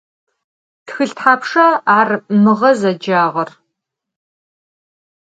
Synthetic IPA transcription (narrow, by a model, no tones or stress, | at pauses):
txɨɬtħaːpʂɐaːrmɨʁɐzɐd͡ʒaːʁɐr